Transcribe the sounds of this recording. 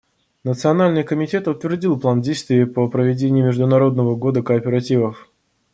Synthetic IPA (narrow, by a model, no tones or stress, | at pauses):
nət̪sɨɐnalʲnɨjkəmʲɪtʲe̞t̪ʊt̪vʲɪrdʲilˠplˠandʲejst̪vʲɪəpəpɾəvʲɪdʲenʲɪjʊmʲɪʐd̪ʊnɐɾo̞d̪̚nəvəɡo̞d̪əkəːpʲɪɾɐtʲivəf